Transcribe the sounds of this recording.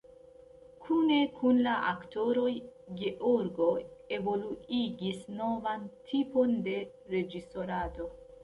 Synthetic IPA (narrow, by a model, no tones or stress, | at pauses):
kʰune̞kʰunlaʔakto̞ɾo̞jɡeʔoɾɡo̞e̞vo̞luiɡisno̞vantʰipo̞nde̞ | ɾe̞d͡ʒiso̞ɾado̞